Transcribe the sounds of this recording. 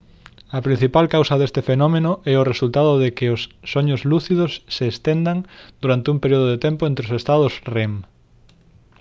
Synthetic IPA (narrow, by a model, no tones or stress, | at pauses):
ɐpɾin̟θipalkawsɐðest̪efenɔmenʊʔɛʊresult̪aðʊðekɪosːoɲʊzluθiðʊsːeːst̪end̪aŋd̪̥uɾant̪ɪumpeɾioð̞oð̞et̪empʊẽnt̪ɾeosest̪að̞ʊsrem